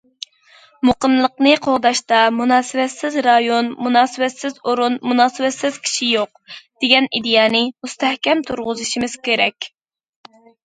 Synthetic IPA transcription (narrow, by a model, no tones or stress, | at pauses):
moqənlˠəqnɨqʰoʁd̪ɑʃt̪ɑmunɑːsɨwɛt̪sɪzɾɑjonmunɑːsɨwɛt̪sɪzoɾunmunɑːsɨwɛt̪sɪz̥kʲʰi̥ʃijoq̚d̪̥eɡʲɛnid̪ejɑːnɨmust̪ɛhkʲɛmt̪ʰuɾʁʊzɨʃimɪz̥kʲeɾɛkʲ